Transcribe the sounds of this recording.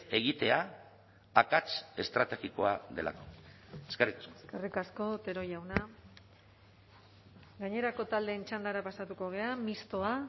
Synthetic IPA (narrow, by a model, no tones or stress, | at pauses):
e̞ɣit̪e̞a | akat͡ʃe̞st̪ɾat̪e̞ɣiko̞aðe̞̰la̰koeskerikḁsoekerikasko̞t̪e̞ɾo̞jawna | ɡaɲe̞ɾako̞t̪ald̪e̞ːnt͡ʃand̪aɾapasat̪uko̞ɣ̞e̞amist̪o̞a